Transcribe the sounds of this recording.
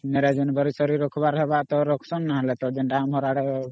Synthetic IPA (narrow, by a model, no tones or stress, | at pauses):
mɛɾɛd͡ʒɛnbəɾisɔɾiɾɔkʰbaɾɦɛbaʔt̪ɔɾɔkʰsɔnːaɦlɛt̪ɔd͡ʒɛnɖamɦɔɾaɽɛ